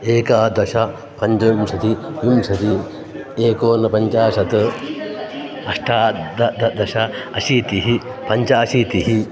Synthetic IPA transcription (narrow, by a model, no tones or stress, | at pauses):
eːkaːd̪ɐʃɐ | pɐɲt͡ʃɐjumʂɐt̪ijumʃɐt̪i | eːkoːnɐpɐɲt͡ʃaːʃɐt̪ɨ | ɐʂʈʰaːd̪ɐd̪ɐd̪ɐʃɐɐʃit̪iɦi | pɐɲt͡ʃaːsit̪iɦi